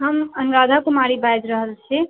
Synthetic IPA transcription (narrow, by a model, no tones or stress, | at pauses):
ɦəmənɾad̪ʱakumaɾibajd͡ʒɾəɦəlt͡ʃʰe